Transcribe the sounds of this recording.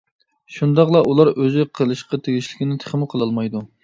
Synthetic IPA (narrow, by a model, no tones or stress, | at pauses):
ʃund̪ɑqlˠɑʔulˠɑɾøzɪqʰəlˠɨʃqɑt̪ʰeɡʲiʃlɪkʲinɪt̪ʰə̥χmɪqʰəlˠɑlˠmɑjd̪u